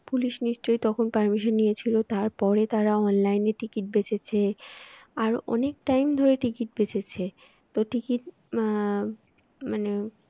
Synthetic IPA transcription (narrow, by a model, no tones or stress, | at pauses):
puliʃniʃt͡ɕojt̪ɔkʰonpaɾmiʃonːijet͡ɕʰilot̪aɾpɔɾet̪aɾaɔnlajneʈikiʈ̚bet͡ɕʰet͡ɕʰe | aɾɔ̰nek̚ʈajmd̪ʱoɾeʈikiʈ̚bet͡ɕʰet͡ɕʰe | t̪oʈikiʈ̚ | mane